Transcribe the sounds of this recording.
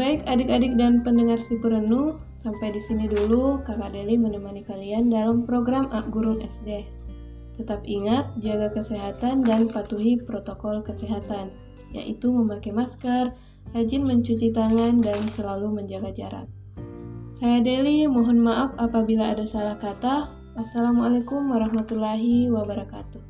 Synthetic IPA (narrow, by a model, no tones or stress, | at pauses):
baɪkadɪkadɪk̚danpəndəŋarsəpəɾənu | sampajdisinidulukakadelimənəmanikaliandalampɾoɡɾamʔaʔɡuɾʊŋɛsde | t̪ət̪ap̚iŋat̪̚d͡ʒaɡakəseɦat̪andanpat̪uɦipɾot̪okɔlkəseɦat̪an | ja̰ʔit̪uməmakajmaskar | had͡ʒɪnməɲt͡ʃut͡ʃit̪aŋandansəlaluməɲd͡ʒaɡad͡ʒaɾa̰t̪̚ | sajadelimɔɦɔnmaʔafapabilaːdasalahkat̪ah | ʔasːalamalekumwaɾahmat̪ulaɦiwabəɾaka̰t̪u